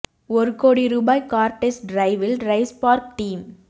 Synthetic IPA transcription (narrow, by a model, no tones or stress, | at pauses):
ɔɾɯkoːɽiɾubaːjkaːɾʈesɖɾɐɪʋɪlɾɐɪspaːɾk̚ʈiːm